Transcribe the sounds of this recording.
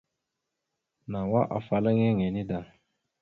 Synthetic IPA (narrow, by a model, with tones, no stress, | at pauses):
na˨wa˦ʔa̰˨fa˨la˦ŋɛ˦ŋɛ˨ni˦da˨